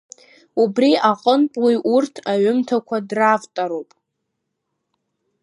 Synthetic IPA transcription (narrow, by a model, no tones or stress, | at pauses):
ubriaqʼənpʼluʔurtʰaɥʊmtʰakʷʰadravtʼaɾowpʼ